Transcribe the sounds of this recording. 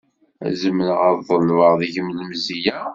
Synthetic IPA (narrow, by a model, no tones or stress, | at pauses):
æ̰zəmːənəʁəðˤəlvəʁðiʝəmləmzijæ